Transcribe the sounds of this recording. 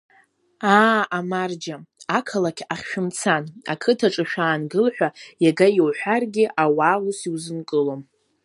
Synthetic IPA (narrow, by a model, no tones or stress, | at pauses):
aamard͡ʒaakʰalakʲʰaχʲʃᶣʊmt͡sʰana̰kʰɨtʰaʈ͡ʂʼɨʃᶣaːnɡɨlħʷᶣajaɡajowħʷᶣarɡʲɪʔawaːlusiwzɨnkʼɨlo̞m